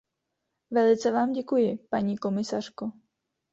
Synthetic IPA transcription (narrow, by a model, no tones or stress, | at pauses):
vɛlɪt͡sɛvaːmɟɛkujɪpaɲiːko̞mɪsar̝̥ko